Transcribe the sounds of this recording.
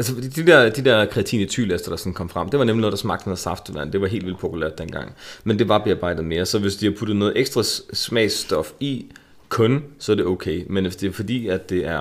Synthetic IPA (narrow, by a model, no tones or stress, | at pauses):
ælsəfd̥id̥id̥ɛɐ̰d̥id̥ɛɐ̰kʰʁɛæt͡sʰḭːnət͡sʰy̰ːlefd̥ɐd̥ɑ̈sɒ̽n̩kʰɒ̽mfʁäm̰d̥e̝ʋɑ̈nemlino̽ð̩̥ˠɑsmɑ̈ɡ̥d̥nðˠsɑ̈fd̥əʋæn̰d̥e̝ʋɑ̈ɦe̝̰ldḭl̰d̥̚pʰo̝pʰulæ̰ɐ̰d̥ːenɡ̥ɑ̈ŋ̰mend̥e̝ʋɑ̈b̥e̝ɑ̈b̥ɑ̈ɪd̥ð̩ˠme̝ːɐsɒ̽ʋe̝sd̥ihɑpʰud̥ð̞̩ˠnɔ̽ːð̞̩ˠʔeɡ̥sd̥ʁɑ̈smɛ̰ːsd̥ɒ̽fi | kʰɔ̽nsɒæɐd̥e̝ɔʊkʰeɪmenesd̥e̝fɒ̽d̥ḭːæd̥ːe̝æɐ